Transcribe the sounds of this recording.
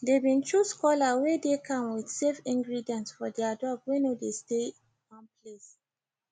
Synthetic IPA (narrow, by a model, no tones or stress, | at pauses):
debĩntʰɹuskɔlawedekʰãmwidsefĩŋɡɹidiɛ̃ntsfɔdɛadɔbwenodesteĩ | nwãnples